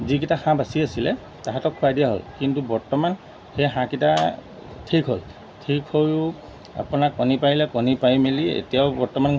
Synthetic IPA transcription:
zik̬itaxãbasiasilɛ̰ | taɦatɔkʰːʊadijaɦo̰lkintubɔɹtɔman | xejɦãkita | tʰikɦo̰l | tʰikʰhojʊ | a̰punakːɔnipajlɛkɔnipajmeliḛtijaʊbɔɹtɔman

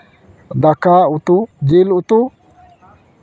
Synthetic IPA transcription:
d̪akːaut̪ud͡ʒilut̪u

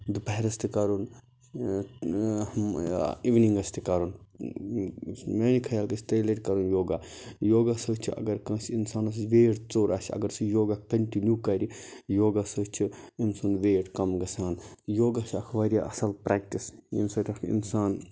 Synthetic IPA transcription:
d̪upɐɦɾɐst̪ʰikɐɾun | iʋniŋɡɐst̪ʰikɐɾun | meːnikʰɐjaːlkɐsʰt̪ɐjleʈkɐɾunjoːɡajoːɡasəːt͡ʃʰiɐ̰ɡɐɾkɐ̃ːsinsaːnɐs̬ʋeːʈt͡soːɾasʲʰɐ̰ɡɐɾsijoːɡakɐnʈinjuːkɐɾʲijoːɡasət͡ʃʰiinsunʋeːʈkɐmɡɐsaːnjoːɡat͡ʃʰɐkʰʋaːɾijaʔɐ̰sɐlpɾaːk̚ʈisḭnsɐʈʲɐkḭnsaːn

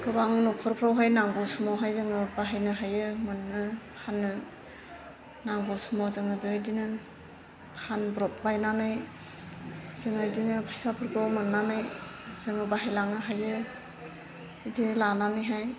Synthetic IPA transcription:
ɡɯbaŋnukʰɔɾpʰɾawɦajnaŋɡɔsumɔɦajzɯŋɯbaɦajnɯɦajɯmɯnːɯkʰanːɯ | naŋɡɔsumɔzɯŋɯbeɯdinɯ | kʰanbɾɔp̚bajnanɯj | zɯŋɯdinɯpʰajsapʰɯɾɡɔmɯnːanɯj | z̥ɯŋɯbaɦajlaŋɯɦajɯ | dilananɯjɦaj

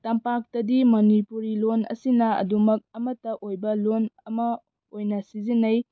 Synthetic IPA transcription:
tɐmpak̚tɐdimɐnipuɾilonɐ̰sinɐɐ̰dumɐk̚ɐmɐtɐʔojbɐlonɐmɐ | ojnɐsizinːɐj

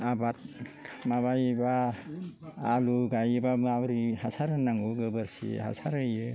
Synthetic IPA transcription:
abat̚maβajba | luɡajɯbamabɾihasaɾɯnaŋuɡɯbɯɾsḭha̰saɾɯjɯ

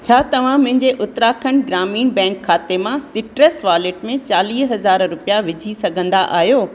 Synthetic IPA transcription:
t͡ɕʰaːt̪ɐʋ̤ãmʊ̃ɦɪ̃ɲd͡ʑeʔʊt̪ɾaːkʰəñɡɾaːmiːnbɛ̃ːŋkʰːaːt̪emãsɪʈɾesʋaːlɪʈmẽt͡ɕaːliːsɦɐzaːɾɾʊpijaʋɪd͡ʑʱisɐɡʱə̃nd̪aʔaːɦijoː

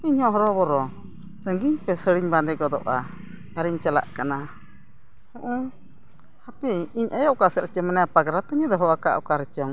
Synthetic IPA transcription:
apiɲhɔ̃ɦɔɾɔbɔɾɔ | t̪əŋɡiɲpɛsəɽiɲband̪ɛɡɔd̪ɔ̰ʔa | aɾiɲt͡ʃala̰ʔkana | hɔʔu | hapiiɲʔajɔʔkasɛɾɛt͡ʃɔmanɛapaɡɾat̪aɲad̪ɔɦɔwaka̰ʔɔ̰kaɾɛt͡ʃɔŋ

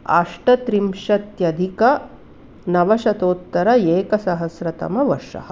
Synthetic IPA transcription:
a̰ːʂʈɐt̪ɾimʃɐt̪jɐd̪ʱikɐ | nɐʋɐʃɐt̪oːt̪ːɐɾɐeːkɐsɐɦɐsɾɐt̪ɐ̰mɐʋɐɾʂɐ̰hɐ

